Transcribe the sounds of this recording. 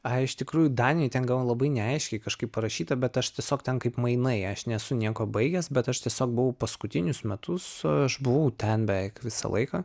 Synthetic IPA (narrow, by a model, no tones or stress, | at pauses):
ɐɪʃt̪ʲɪkɾuːjʊd̪ɑːnʲɪjɛɪt̪ʲɛnɡɑlʋolˠɐbɐɪnʲɛɐɪʃʲkʲɛɪkɐʃkɐɪppɐɾɐʃʲiːt̪ɐbʲɛt̪ɐʃt̪ʲiɛsʲoːkt̪ʲɛnkɐɪpmɐɪnɐɪɐʃnʲɛsʊnʲiɛkoːbɐɪɡʲɛsbʲɛt̪ɐʃt̪ʲiɛsʲoːk̚bʊʋɐʊpɐskʊt̪ʲɪnʲʊsmʲɛt̪ʊsɐʃbʊʋɐʊt̪ʲɛnbʲɛʋʲɛɪkʋʲɪsɐ̰lˠɐ̰ɪkɑː